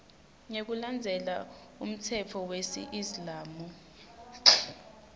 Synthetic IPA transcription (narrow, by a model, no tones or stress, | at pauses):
ŋek̬uland͡zʱɛla | um̩tʰɛt͡fʰɔwesḭʔizlaːmu